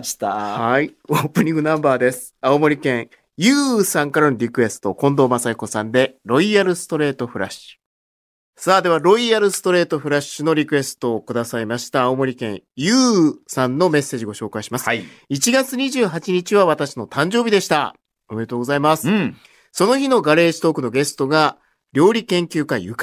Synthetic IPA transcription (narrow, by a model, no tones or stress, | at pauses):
t̪haioːpɯ̟ɲ̟ĩŋɡɯ̟nãmbaːd̪e̞sɨ̥aomo̞ɾʲikẽ̞ɰ̃ | jɯ̟ːsãŋkaɾanoɾʲikɯ̟e̞sɨ̥t̪o̞kõ̞nd̪o̞ːmasaiko̞sãnd̪e̞ɾo̞iaɾɯ̟sɨ̥t̪o̞ɾe̞ːt̪o̞ɸɯ̟ɾa̰ɕɨ̥ | saːd̪e̞β̞aɾo̞iaɾɯ̟sɨ̥t̪o̞ɾe̞ːt̪o̞ɸɯ̟ɾaɕːɨno̞ɾʲikɯ̟e̞sɨ̥t̪o̞ːkɯ̟d̪asaimaɕi̥t̪aːomo̞ɾʲikẽ̞ɰ̃jɯːsãnːo̞me̞sːe̞ːʑiɡo̞ɕo̞ːkaiɕimasɨ̥ | it͡ɕiɡat͡sɨɲ̟iʑɨːɦat͡ɕiɲ̟it͡ɕiβaβ̞at̪aɕino̞t̪ãɲ̟d͡ʑo̞ːbʲid̪e̞ɕi̥t̪a̰ | o̞me̞ɾe̞t̪oːɡo̞zaimasɨ̥ | so̞no̞çino̞ɡaɾe̞ːɕi̥t̪o̞ːkɯ̟no̞ɡe̞sɨ̥t̪o̞ɡa | ɾʲo̞ːɾʲikẽ̞ŋkʲɨːkajɯ̟k